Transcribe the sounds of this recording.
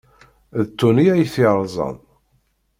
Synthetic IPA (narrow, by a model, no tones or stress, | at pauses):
ðt̪ːuniæjθiɾˤzˤə̰ð